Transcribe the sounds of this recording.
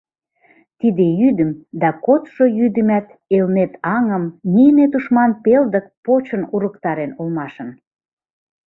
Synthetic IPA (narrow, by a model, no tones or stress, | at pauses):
t̪id̪ejyd̪ə̆md̪ɑkot̪ʃojyd̪əmæt̪ | elnet̪ɑŋəmnijənet̪uʃmɑnpeld̪ə̆k̚pot͡ɕə̆nuɾəkt̪ɑɾenolmɑʃən